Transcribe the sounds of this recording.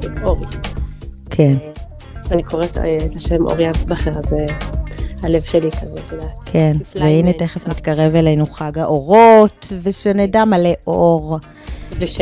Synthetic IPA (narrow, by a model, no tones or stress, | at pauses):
oʁi | kʰen | anikʰoʁetːt̪aʃemʔo̰ʁjasbaχeʁaze | halevʃelikʰazelakʰenveineteχefmit̪kaʁe̞velejnuχaɡaʔo̞ʁotveʃenedamaleʔoʁ | liʃ